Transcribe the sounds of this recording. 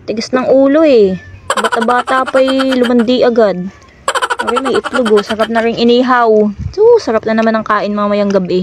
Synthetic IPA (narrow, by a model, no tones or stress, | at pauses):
t̪ɪɡɐsnɐŋʔuːlo̞ɛbat̪ɐbaːt̪aʔpɐjlʊmɐnd̪iʔɐɡad̪̚ | poɾɛmɐjʔɪplʊɡosɐɾap̚nɐɾɪŋʔɪniːɦɐwsosɐɾap̚nɐnɐmanɐŋkaːʔɪnmaɐmɐjaŋɡɐbɛ